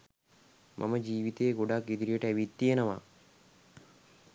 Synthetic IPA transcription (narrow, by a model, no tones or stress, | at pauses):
mʔɐ̰mɐd͡ʒiːʋit̪eːɡoɖaːkid̪iɾijeʈɐʋit̪ːienɐʋa̰